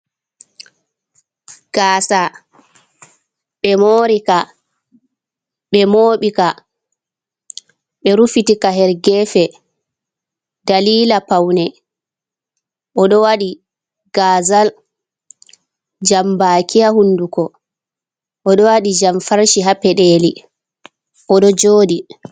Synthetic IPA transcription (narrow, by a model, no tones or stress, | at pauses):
ɡ̥aːsa | ɓɛmoːɾika | ɓɛmoːɓika | ɓɛɾufitikaɦɛɾɡɛfɛ | daliːlapawnɛ | ʔɔɗɔwaɗi | ɡ̥azal | d͡ʒambaːkʰijahunːdukɔ | ʔɔɗɔwaɗid͡ʒamfaɾʃiɦapɛɗeːli | ʔɔɗɔd͡ʒoːdi